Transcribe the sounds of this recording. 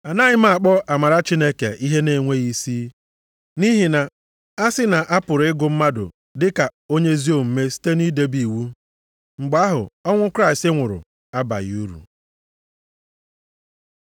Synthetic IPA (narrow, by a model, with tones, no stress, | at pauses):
a˨na˦ɲɪ˦ma˨k͡pɔ˦a˨ma˨ɾa˦t͡ʃi˦ne˦ke˨i˦ɦe˦ne˨ŋʷe˦ɣi˦si˦ | ni˦ɦi˨na˨ | a˦sɪ˦na˨ʔa˦pʊ˨ɾɪ˦ɡʊ˨m̩˦ma˦dʊ̰˨ | dɪ˦ka˨o˦ɲe˦zi˦o˨m̩˨me˦si̥˦te˦ni˦de˦bi˨wu˦ | ŋ͡m̩˨ɡ͡ba˦ɦʊ̰˨ɔ˦ŋʷʊ˦kɾa˦ɪ˨stɪ˦ŋʷʊ˨ɾʊ̰˨ | a˦ba̰˨ɣ̰u˦ɾṵ˨